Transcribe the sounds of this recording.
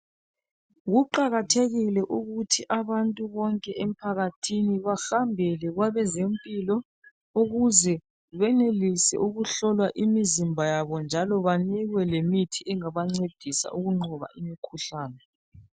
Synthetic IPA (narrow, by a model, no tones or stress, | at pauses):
ɣuǃaɣatʰeɣilɛʔuɣutʰiʔaβantʼuβɔŋkʼɛʔem̩pʰaɣatʰiniβaxambʱɛlɛɣwaβɛzempʼilɔ | uɣuzɛ | βɛnelisɛ̰ʔuɣuɬɔlwaʔimizimbʱajaβɔnd͡ʒʱalɔβaniɣwɛlemitʰiɛŋaβaŋ͡ǀed̥ʱisa̰ʔuɣuŋ͡ǃɔβa̰ʔimikʰuɬaːnɛ